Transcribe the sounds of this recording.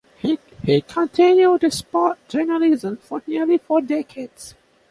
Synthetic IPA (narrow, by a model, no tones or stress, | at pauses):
hi | hikʰɔ̃ntʰĩnjud̚uspɔt̚d͡ʒɜnəlizə̃mfɔnilifɔdɛkʰeds